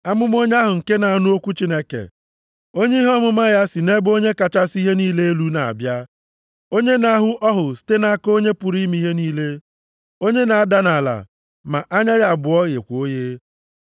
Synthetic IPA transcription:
a˦mʊ˦m˦o˦ɲe˦a˦ɦʊ˨ŋ̩˨ke˦na˨a˨˦nʊ˦o˦kʷu˦t͡ʃi˦ne˦kḛ˨ | o˦ɲe˦ɦɔ˦mʊ˦ma˦ja˦si˨ne˦bo˦ɲe˦ka˨t͡ʃa˦si˦ɦe˦niː˦le˦e˦lu˦na˨a̰˨bja˦ | o˦ɲe˦na˦ɦʊ˦ʔɔ˦ɦʊ˨ste˦na˦ko˦ɲe˦pʊ˨ɾi˦mi˦ɦe˦niː˦le˦ | o˦ɲe˦na˨a˦da˦na˨la̰˨ | ma̰˨ʔa˦ɲa˦ɣa˨bʊ˨ɔ˦ɣḛ˨kʷo˦je˦

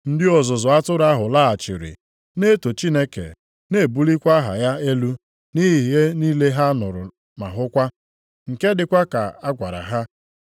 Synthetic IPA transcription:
n̩˦dɪ˦ɔ˨zʊ˨zʊ˨a˦tʊ˦ɾa˦ɦʊ˨la˦˨a˨t͡ʃɪ̰˨ɾɪ̰˨ | ne˦to˨t͡ʃi˦ne˦kḛ˨ | ne˦˨bu˦li˦kʷa˦ɦa̰˨ja˦e˦lu˦ | ni˦ɦi˨ɦi˨ɦe˦niː˦le˦ɦa˦nʊ˨ɾʊ̰˨ | ma˨ɦʊ˦kʷa˦ | ŋ̩˨ke˦dɪ˨kʷa˦ka̰˨a˦ɡʷa˨ɾa̰˨ɦa˦

